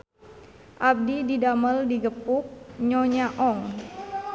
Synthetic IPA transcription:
ʔab̚dididaməldiɡəpuk̚ɲɔɲaʔɔŋ

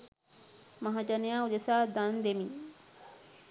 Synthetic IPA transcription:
maɦad͡ʒɐnejaːud̪esaːd̪and̪emi

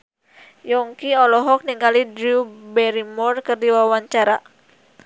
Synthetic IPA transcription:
jɔŋkiɔlɔɦɔk̚niŋɡalidɾiubɛɾimɔrkɨrdiwawaɲt͡ʃaɾa

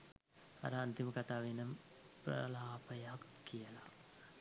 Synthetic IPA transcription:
a̰ɾəant̪iməkat̪aːʋenəm | pɾɐ̰laːpəjak | kːijəla̰

